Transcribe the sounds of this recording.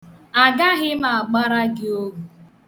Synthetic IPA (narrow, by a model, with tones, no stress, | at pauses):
a˨ɡa˦ɣɪ˦ma˨a˨ɡ͡ba˦ɾa˦ɡɪ˦o˦ɡu˨